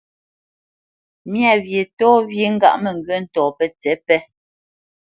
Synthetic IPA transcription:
mja˦˨wje˨tɔː˦vje˨ŋ̩˦ɡa̰˦˨ʔmɛ˨ŋ˨ɡɥə˦n̩˦˨tɔː˨pɛ˦t͡sɛ˨˦pɛ˦

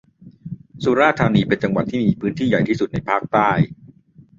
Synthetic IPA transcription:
su˧˥ɾaː˥˩t̪ʰːaː˧niː˧pe˧nt͡ɕa˧ŋwa˨˩t̪ʰːiː˥˩miː˨˧˩pʰɯː˦˥nt̪ʰiː˥˩ja˨˩jt̪iː˥˩su˨˩na˧jpʰaː˥˩k̚t̪aː˥˩j

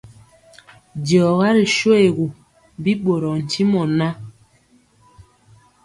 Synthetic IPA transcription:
dɔ˨ɣa˦ɾi˨ʃo˦e˨ɣu˨ | bi˦ɓo˨ɾɔ˨n̩˨ti˦mɔ˨na˦

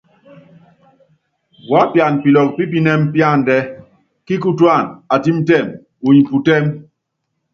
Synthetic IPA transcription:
wa˨˦pja˨npi˨lɔ˨k̚pi˦p̬i˦nɛ˦mpja˦˨n˨dɛ˦ | ki˦ku˦twa˦˨na˨ti˦m˦tɛ˦˨m | u˨ɲi˨pu˨tɛ˦m

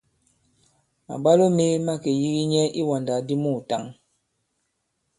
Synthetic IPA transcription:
ma̰˨ɓa˦lo˦me˦ma˦ke˨ji˦ɣi˦ɲɛ˦ʔi˦wa˨nda˨di˦mu˦˨ta˨ŋ

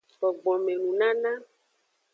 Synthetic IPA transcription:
k͡pɔ˨ɡ͡bɔ˨mẽ˨nũ˨nã˦nã˦

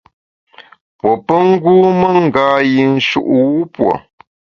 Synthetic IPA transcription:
pwo˨pə˦ŋ̩˦ɡuː˦mə˦ŋ̩˨ɡaː˦ji˨n̩˦ʃṵ˦ʔwu˦pwo̰˨

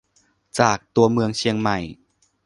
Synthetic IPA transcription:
t͡ɕaː˨˩k̚t̪u˧ɐmɯ˧əŋt͡ɕʰi˧əŋma˨˩j

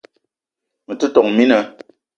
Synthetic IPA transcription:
mə˨tɨ˦tɔ˨ŋmi˦nə˨

